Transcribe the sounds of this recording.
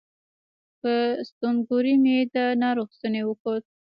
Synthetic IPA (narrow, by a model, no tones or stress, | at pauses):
pəst̪omɡoɾimed̪ənɑɾoxzənewəkot̪̚